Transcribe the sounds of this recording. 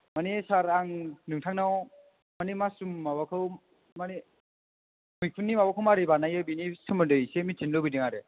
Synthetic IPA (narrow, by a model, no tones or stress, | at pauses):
manesaɾaŋnɯŋtʰaŋnaw | manemasumːawakʰɯw | mane | mujkʰunːimawakʰɯwmaɾibanajɯbinisɯmɯndɯjsemitʰinlɯwbidɯŋaɾe